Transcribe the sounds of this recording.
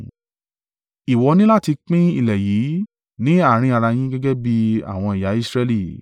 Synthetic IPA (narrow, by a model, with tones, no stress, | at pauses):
i˨wɔ˨˧˦nĩ˦la˦˨ti˧k͡pĩ˦ḭ˦˨lɛ˨ji˨˦ | nĩ˦a˦˨ɾ̃ĩ˧˦a˧ɾa˧j̃ĩ˦ɡɛ˦ɡɛ˦bi˦a̰˦˨w̃ɔ̃˧i˨ja˨˦i˦sɾɛ˧˦li˦˨